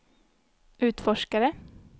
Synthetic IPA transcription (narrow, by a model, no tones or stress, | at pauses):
ʔʉːt̪fɔʃkaɾə